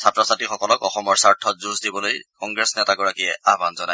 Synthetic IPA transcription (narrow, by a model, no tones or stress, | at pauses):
satɹɔsatixɔkɔlɔkɔxɔmɔɹsaɹtʰɔtzuzdibɔlojkɔŋɡɹɛsnɛtaɡɔɹakiɛabanzɔnaj